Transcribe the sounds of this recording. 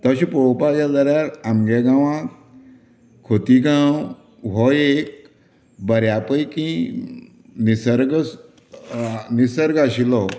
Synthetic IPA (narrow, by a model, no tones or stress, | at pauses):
t̪əɕĩpowpad͡ʒad̪əɾaɾamɡeɡãʋã | kʰot̪iɡãw | ɦɔjek̚ | bəɾjapəjkĩ | nisəɾɡ | nisəɾɡaɕilɔ